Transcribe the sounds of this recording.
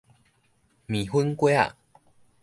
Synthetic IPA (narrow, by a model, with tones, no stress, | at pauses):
mĩ˨˩ɦu˦nkwe˦a̰˨